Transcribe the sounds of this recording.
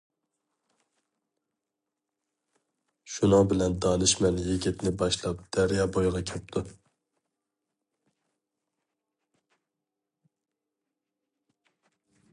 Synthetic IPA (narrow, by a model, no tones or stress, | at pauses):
ʃunɨŋbɪlɛnd̪ɑnɨʃmɛnjeɡʲit̪nɪbɑʃlˠɑp̚d̪̥æɾjɑːbojʁɑkʲʰɛp̚t̪ʰu